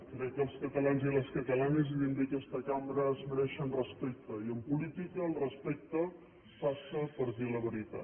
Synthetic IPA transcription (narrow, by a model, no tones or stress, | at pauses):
kɾekːɐlskɐt̪ɐlanzilɐskɐt̪ɐlaniz̬iβind̪ikest̪ɐkamɾazməɾɛʃɐnrəspɛk̚t̪əjəmpulit̪ikalrəspɛk̚t̪ə | fasəpəɾt̪ilɐβəɾit̪a̰